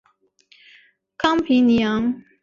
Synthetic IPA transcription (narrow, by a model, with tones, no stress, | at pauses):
kʰɑ˥ŋpʰi˧˥ŋnjɑ˨˦ŋ